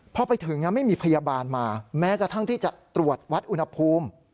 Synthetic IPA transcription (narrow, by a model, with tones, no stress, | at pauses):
pʰɔ˧pa˧jt̪ʰɯ˩˦ŋna˦˥ma˥˩jmiː˧pʰa˧jaː˧baː˧nmaː˧mɛː˦˥kɾa˧t̪ʰa˥˩ŋt̪ʰiː˥˩t͡ɕa˨˩ʔt̪ɾu˨˩ət̪̚wa˦˥t̪̚ʔu˧nha˧pʰuː˧m